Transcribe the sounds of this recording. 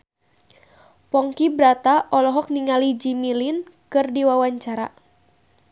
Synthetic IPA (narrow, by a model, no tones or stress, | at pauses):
pɔŋkibɾat̪aʔɔlɔɦɔk̚niŋalid͡ʒimilinkɨrdiwawaɲt͡ʃaɾa̰